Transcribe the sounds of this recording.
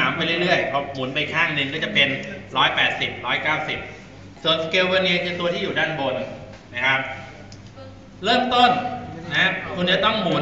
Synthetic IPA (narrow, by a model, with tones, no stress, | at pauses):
aː˩˦mpa˧jɾɯ˥˩jɾɯ˥˩əjpʰɔ˦˥˩muː˩˦npa˧jkʰaː˥˩ŋʔnɯ˧ŋkɔː˥˩t͡ɕa˨˩pe˧nɾɔː˦˥jpɛː˨˩t̪̚si˨˩p̚ɾɔː˦˥jkaː˥˩wsi˨˩p̚ | su˨˩ənskeː˧wbə˧ni˧pe˧t̪u˧ət̪ʰiː˥˩juː˨˩daː˥˩nbo˧n | na˦˥˩kʰa˦˥p̚ | lɤː˥˩mt̪o˥˩nna˦˥kʰu˧nt͡ɕa˨˩t̪ɔ˥˩ŋmuː˩˦